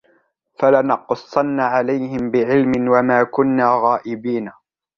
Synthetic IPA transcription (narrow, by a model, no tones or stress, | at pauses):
falanɑqsˤːɑnːaʕalajhɪmbɪʕɪlmɪnwamaːkʊnːaːɣaːʔɪbiːna